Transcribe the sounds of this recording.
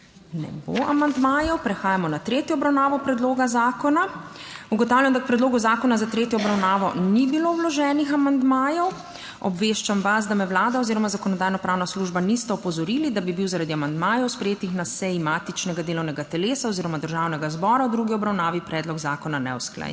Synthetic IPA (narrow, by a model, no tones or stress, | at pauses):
nɛ̰bo̰amand̪majɔwpɾɛxaːjamɔnat̪ɾeːt̪jɔːbɾawnaːʋɔpɾɛd̪loːɡazaːkɔna | uɡɔt̪awljamd̪ak̚pɾɛd̪loːɡuzaːkɔnazat̪ɾeːt̪jɔːbɾawnaːʋɔnibilowlɔʒɛːnixamand̪majɔw | ɔ̰bʋeːʃt͡ʃamʋas̬d̪amɛwlaːd̪aɔziːɾɔmazakɔnɔd̪aːjnɔpɾaːwnasluʒbanist̪ɛɔpɔzɔɾiːlid̪abibiwzaɾad̪iamand̪maːjɔwspɾɛjeːt̪ixnasɛjimaːt̪it͡ʃnɛɡad̪eːlɔwnɛɡat̪ɛleːsaɔziːɾɔmad̪əɾʒawnɛɡazbɔːɾawd̪ɾuɡiɔbɾawnaːʋipɾɛːd̪lɔɡzaːkɔnanɛ̰wsklɛ̰j̰